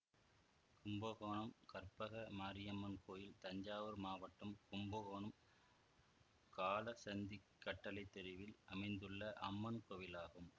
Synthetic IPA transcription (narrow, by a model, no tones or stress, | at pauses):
kʊmbɐɣoːɳɐmkɐɾpɐɣɐmaːɾɪjɐmːɐnkoːjɪlt̪ɐɲd͡ʒaːʋɐɾmaːʋɐʈːɐmkʊmbɐɣoːɳɐm | kaːlɐsɐnd̪ikːɐʈːɐlɐɪt̪ːɛɾɪʋɪlɐmɐɪnd̪ɯɭːɐʔɐ̰mːɐnkoːjɪlaːɣɯm